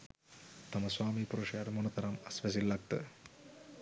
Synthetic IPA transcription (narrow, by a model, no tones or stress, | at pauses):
t̪ɐmɐsʋaːmipuɾuʂjaːɾmunɐt̪ɐɾɐmɐsʋɐs̬ilːɐk̚t̪ɨ̰